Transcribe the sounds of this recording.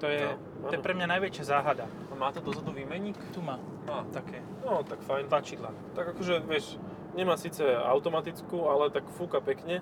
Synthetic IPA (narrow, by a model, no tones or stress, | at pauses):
t̪ɔjɛ | t̪aɔjɛpɾɛmɲanajʋɛt͡ʃɪazaːɦad̪a | amaːt̪ɔd̪ɔzɦɔd̪uʋiːmɛɲikt̪umaː | at̪akɛː | nɔt̪akfajnt̪lat͡ʃiːd̪la̰ | t̪aɡakɔʒɛʋɪɛʃ | ɲɛmaːsiːt͡sɛa̰ʊt̪ɔmat̪it͡skuːalɛt̪akfuːkapɛkɲɛ